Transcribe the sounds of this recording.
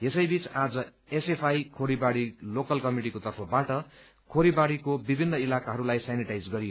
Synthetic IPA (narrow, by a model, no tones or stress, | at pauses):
jesʌjbit͡sad͡zʌ | esepʰajkʰoɽibaɽilokʌlkʌmiʈikot̪ʌrpʰʌbaʈʌ | kʰoɾibaɽikobibʱinːʌilakaɦʌɾulajsaniʈajd͡zɡʌɾijo